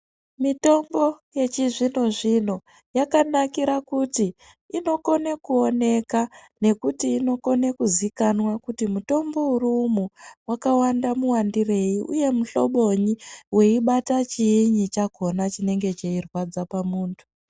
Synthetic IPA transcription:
mito̞mbo̞je̞t͡ʃiʐino̞ʐino̞ | jakanakiɾakutiː | no̞ko̞nekuo̞ne̞ka | ne̞kutiːno̞ko̞nekuzikanwakutimuto̞mbo̞urumuwakawandamuwandire̞jiʔuje̞muɬo̞ɓo̞ɲiwe̞iɓatat͡ʃiːɲit͡ʃaɡʱo̞nat͡ʃine̞ŋɡe̞t͡ʃeirwad͡zapamuːntʰu̥

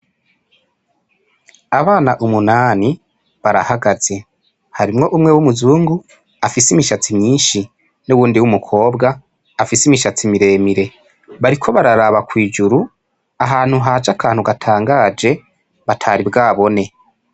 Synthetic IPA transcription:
aβaːnaʔumunaːni | βaɾa̰haɡaz̥e̞ | haɾimŋo̞ʔumŋe̞wumuzuːŋɡu | afisimiʃat͡simɲiːnʃi | nuwuːndiwumukʰo̞ːbɡaː | fisimiʃat͡simiɾe̞ːmiɾe̞ | βaɾikʰo̞βaɾaɾaβakwiːd͡ʒuɾu | aɦaːn̥huɦaːd͡ʒakʰaːnhuɡatʰaːŋɡaːd͡ʒe̞ | βatʰaɾibɡaːβo̞ne̞

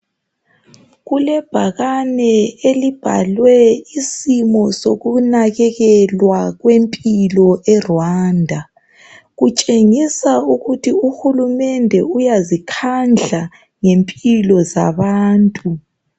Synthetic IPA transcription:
ɣulɛb̥ʱaɣanɛelib̥ʱa̰lwɛisimɔsoɣunaɣɛɣɛlwaɣwempʼilɔʔɛrwaːndʱa | ɣut͡ʃʼeŋisauɣutʰiuxulumɛndʱɛujazikʰand͡ɮʱa | ŋempʼilɔza̰βaːntʼu

